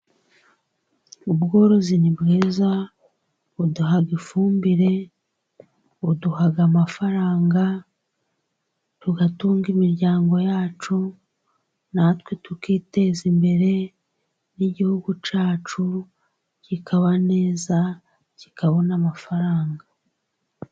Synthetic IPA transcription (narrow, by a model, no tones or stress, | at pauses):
ubɡo̞ːɾo̞zinibɡiːza | uduɦaɡifuːmbiɾe̞ | uduɦaɡamafaɾaːŋɡa | tuɡatuːŋɡimiɾɟaːŋɡo̞jaːt͡ʃu | natwetukiːte̞ːzimbe̞ɾe̞ | niɟihuɡut͡ʃaːt͡ʃu | cikʰaβane̞ːza | ci̥kaβo̞namafaɾaːŋɡa